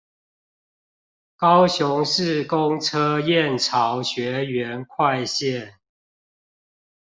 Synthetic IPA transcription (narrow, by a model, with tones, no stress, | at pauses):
kɑ˦ʊɕʊ˧˦ŋʂɻ̩˥˨kʊ˦ŋʈ͡ʂʰɤ˦jɛ˥˨nʈ͡ʂʰɑ˨˦ʊɕɥɛ˨˦ɥɛ˨˦nkʰwa˥˧˨ɪɕjɛ˥˨n